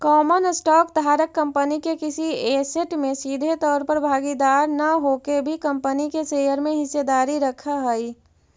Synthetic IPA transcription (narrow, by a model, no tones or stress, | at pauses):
kɔːmənsʈɔːkd̪ʱaːɾəkːə̃mpənikekɪsieseʈmẽsiːd̪ʱet̪ɔːɾpəɾbʱaːɡid̪aːɾnɐɦoːkebʱikɐ̃mpənikeseːjəɾmẽɦɪsed̪aːɾiɾɐkʰaɦɛi